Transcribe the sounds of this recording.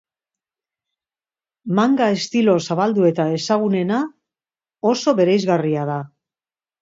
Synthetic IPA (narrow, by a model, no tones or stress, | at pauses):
maŋɡae̞st̪ilo̞saβald̪ue̞t̪ae̞saɣ̞une̞na | o̞so̞βe̞ɾe̞jzɣariaða